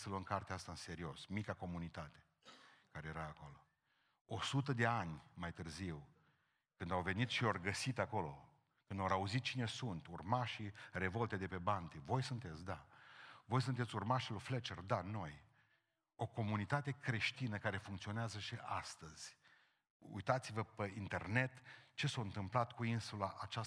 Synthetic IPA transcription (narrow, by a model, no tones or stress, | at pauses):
səluəmkart̪east̪aɨnse̞ɾio̞smikako̞munit̪at̪e̥ | kaɾeje̞ɾaːko̞lo̞ | o̞sut̪əd̪e̞anʲmajt̪ɨrziw | kɨnd̪awve̞nit̪ʃio̞rɡəsit̪ako̞lo̞ | kɨnd̪oɾauzit̪̚t͡ʃine̞sunt̪urmaʃire̞vo̞lt̪ed̪e̞pe̞bant̪evo̞jsunt̪e̞t̪sʲd̪avo̞js̬unt̪et̪sʲurmaʃiloflet͡ʃerd̪ano̞j | o̞ko̞munit̪at̪e̞kɾe̞ʃt̪inəkaɾe̞fuŋkt̪sio̞neazəʃiʔast̪əz̥ʲ | ṵjt̪at̪sivəpeint̪e̞rne̞t̪t͡ʃe̞sawɨnt̪ɨmplat̪kuinsulaʔat͡ʃa